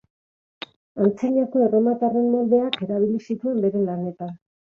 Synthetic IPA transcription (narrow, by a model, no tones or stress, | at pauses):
ant͡siʎako̞e̞romat̪are̞nmold̪e̞ake̞ɾaβ̞ilisit̪ue̞mbe̞ɾe̞lane̞t̪a